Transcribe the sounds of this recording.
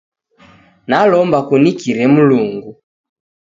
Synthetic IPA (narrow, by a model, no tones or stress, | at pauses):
nalɔmbakunikiɾɛmuluŋɡu